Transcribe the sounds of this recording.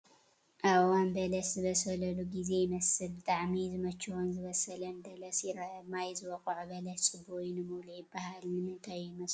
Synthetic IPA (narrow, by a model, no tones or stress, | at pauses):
ʔawanbɐlɐszɨβɐsɐlɐluɡize̞jɪmɐsɨlbɨt̪ʼaʕmizɨmɐt͡ʃːɨwonzɨβɐsɐlɐnd̪ɐlɐsjɪɾɐmajzɨwɐkʼɐʕbɐlɐt͡ʃʼɨbojnɨmulujɪbːahalmɨnɨnt̪ʰajumɐs